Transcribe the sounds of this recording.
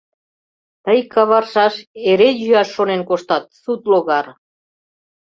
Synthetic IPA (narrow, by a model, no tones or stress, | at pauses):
t̪əjkʰɑβɑrʃɑʃeɾejyɑʃːonenkoʃt̪ɑt̪̚sut̪loɣɑr